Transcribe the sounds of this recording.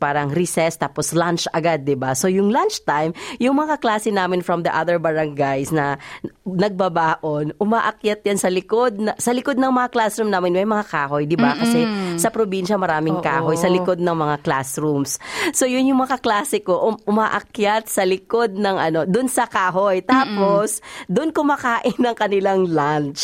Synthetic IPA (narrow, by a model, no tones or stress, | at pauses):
paːɾɐŋɾisɛst̪aːposlant͡ʃɐɡad̪̚ːɪbaso̞jʊŋlant͡ʃt̪ajmjʊŋmɐŋaklaːsɛnaːmɪnfɹɐmd̪ɐʔaðɛɹbɐɹaŋɡajsnɐnɐɡ̚bɐbaːʔonʔʊmaʔɐk̚jat̪̚jansɐlɪkod̪̚nɐsɐlɪkod̪̚nɐŋmɐŋaklasɾumnaːmɪnmɐjmɐŋakaːɦojd̪ɪbakɐsɛsɐpɾobinʃɐmɐɾaːmɪŋkaːɦojsɐlɪko̞d̪̚nɐŋmɐŋakla̰sɹumsso̞jʊnjʊŋmɐŋaklaːsɛko̞ʔʔʊmaːʔɐkjat̪̚sɐlɪko̞d̪̚nɐŋʔɐno̞d̪ʊnsɐkaːɦojt̪aːposd̪ʊnkʊmakaːʔɪnːɐŋkɐnɪlaŋlant͡ʃ